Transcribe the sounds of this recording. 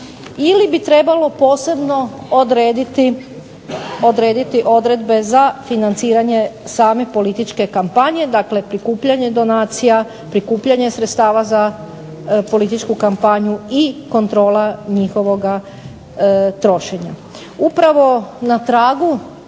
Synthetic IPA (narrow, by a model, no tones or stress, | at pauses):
ilibit̪ɾe̞balo̞po̞ːse̞bno̞od̪ɾeːd̪it̪i | od̪ɾe̞ːd̪it̪iʔo̞d̪ɾe̞d̪be̞zafinant̪siːɾaɲe̞saːme̞po̞lit̪it͡ʃke̞kampaɲje̞d̪akle̞pɾikuːpʎaɲe̞d̪o̞naːt̪sija | pɾikuːpʎaɲe̞sɾet̪st̪aːʋaza | po̞lit̪it͡ʃkukampaɲuiko̞nt̪ɾo̞ːlaɲixo̞ʋo̞ɡa | t̪ɾo̞ʃe̞ɲa | upɾaʋo̞nat̪ɾaːɡu